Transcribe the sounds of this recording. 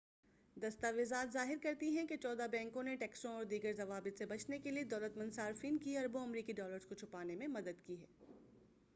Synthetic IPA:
d̪ɐst̪aʋɪzaːt̪zaːɦɪɾkɐɾt̪iɦɛ̃ket͡ʃɔːd̪abɛ̃ːŋkõneʈɛːksõɔːɾd̪iːɡəɾzɐʋaːbɪt̪sebɐt͡ʃnekelied̪ɔːlət̪mɐ̃nd̪saːɾfiːnkiɐɾbõɐmɾiːkiɖɔːləɾskot͡ʃʰʊpaːnemẽmɐd̪əd̪kiɦɛː

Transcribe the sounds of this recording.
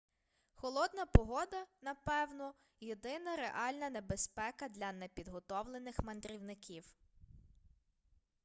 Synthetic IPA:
xɔlˠɔd̪nɐpɔɦɔd̪ɐnɐpɛwnɔ | jed̪ɪnɐɾeʔɑlʲnɐne̞be̞spɛkɐd̪lʲɐnepʲid̪ɦɔt̪ɔwlˠenɪxmɐnd̪ɾʲiwnɪkʲiw

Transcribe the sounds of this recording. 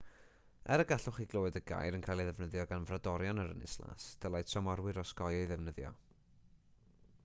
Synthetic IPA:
ɛɾəɡaɬʊχiɡlˠoːwɨdəɡa̰jɾənkʰaːjlˠiðɛvnəðjɔɡanvradɔɾjɔnəɾə̰nɪ̰slˠa̰sd̥əlˠajsʰɔmɔɾwɪɾɔsɡɔjɔiðɛvnəðjɔ̰

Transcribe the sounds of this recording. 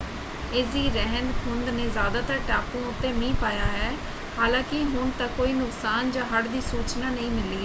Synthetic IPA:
eːsd̪iːɾɛɦənd̪kʰʊnd̪neːzjaːd̪aːt̪əɾʈaːpõːʊt̪ːeːmĩːpaːjaːɦɛː | haːlãːkɪɦʊɳt̪aːkoːiːnʊksaːnd͡ʒãːɦəɽd̪iːsuːt͡ʃnaːnəĩːmɪliː

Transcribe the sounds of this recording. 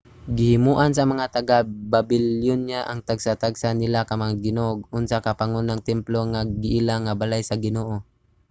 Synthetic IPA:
ɡɪhɪmuʔans̬ɐmɐŋat̪aɡababɪljonɲaʔaŋt̪aɡsat̪aɡsanɪlakamaŋaɡɪnoɡ̚ʊnsakapaŋonaŋt̪ɛmploŋaɡɪʔilaŋːabalajsaɡɪnoːʔo

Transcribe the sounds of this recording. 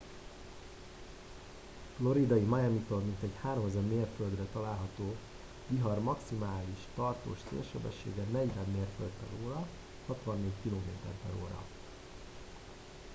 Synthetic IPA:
flo̞ɾid̪ɒjimajɛmit̪ormint̪ɛchaːɾomɛzɛmːeːrføld̪rɛt̪ɒlaːlɦɒt̪oː | viɦɒrmɒksimaːliʃt̪ɒrt̪o̰ːʃsḛːrʃɛbɛʃːḛːɡɛnɛɟvɛmːeːrfølt̪p̪ɛ̰ɾoːɾɒ | hɒt̪ʋɒnːeːɟkiloːmḛːt̪ɛ̰rt̪ɛ̰ɾo̰ːɾɒ̰

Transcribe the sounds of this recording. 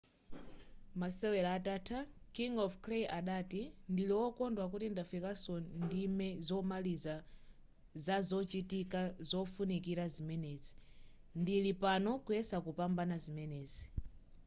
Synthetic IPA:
masɛwɛlaːtatʰakiŋɔfkʰlejʔaɗatindiliwɔkɔndwak̬utindafikasɔndimɛzɔmaliza | zazɔt͡ʃitikazɔfunikiɾazimɛnɛːzi | ndilipanɔkuɛsakupambanazimɛnɛːzi

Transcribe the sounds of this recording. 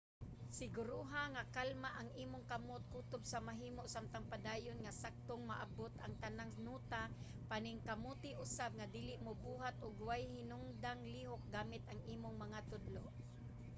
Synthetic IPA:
sɪɡʊɾuɦaŋakalmaʔaŋʔiːmʊŋkamʊt̪̚kuːt̪ʊbsamaɦiːmoʔsamt̪aŋpad̪aːjʊnŋasak̚t̪oŋma̰ʔabot̪aŋt̪anaŋnuːt̪a | panɪŋkamut̪ɪʔʊsab̚ŋad̪iːlɪʔmobuːɦat̪ʔʊɡwajhɪnʊŋd̪aŋliːɦok̚ɡaːmɪt̪ʔaŋiːmʊŋmɐŋat̪ʊd̪loʔ

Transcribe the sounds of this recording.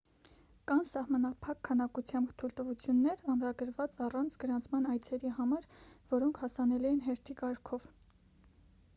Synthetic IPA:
kɑnsɑhmɑnɑpʰɑkʰːɑnɑkut͡sʰjɑmbt̪ʰult̪əvut͡sʰjunːɛɾɑmɾɑɡəɾvɑt͡sɑrɑnt͡sʰɡəɾɑnt͡sʰmɑnɑjt͡sʰɛɾiɦɑmɑɾvɔɾɔŋkʰhɑsɑnɛluɛnɦɛɾt̪ʰikɑɾkʰɔv

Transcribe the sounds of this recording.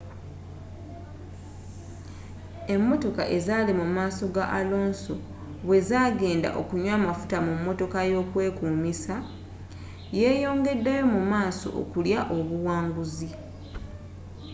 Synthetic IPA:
e̞mːo̞to̞kaʔe̞zaːlimumaːso̞ɡaʔalo̞ːnso | βwe̞zaːɡe̞ːnda̰ʔo̞kuɲwaːmafu̥tamumːo̞to̞kajo̞ːkwe̞ːkuːmisa | je̞ːjo̞ːŋɡe̞dːejo̞mumaːso̞̰ʔo̰kuljaʔo̞βuwaːŋɡuzi

